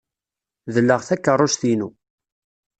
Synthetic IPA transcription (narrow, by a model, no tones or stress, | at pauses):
ðəlːəʁθækːərˤːoʃθinu